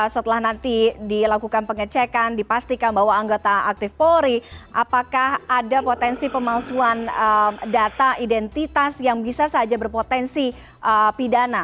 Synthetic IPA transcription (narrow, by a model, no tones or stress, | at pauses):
sət̪əlahnant̪idilakukanpəŋət͡ʃɛkandipast̪ikanbaɦwaːŋɡot̪aːk̚t̪ɪfpoɾiʔapakahadapot̪ɛnsipəmasuanədat̪aʔidɛnt̪it̪asjaŋbisasaad͡ʒabərpot̪ɛnsi | ʔəpidana